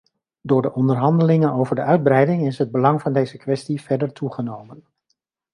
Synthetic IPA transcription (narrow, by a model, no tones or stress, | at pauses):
dʊːɹdəʔɔndəɹɦɑndəlɪŋənowvəɹdəʔœɥd̚brɛjdɪŋɪsɦəd̚bəlɑŋvɑndejzəkʋɛstivɛɹdəɹtuχənowmən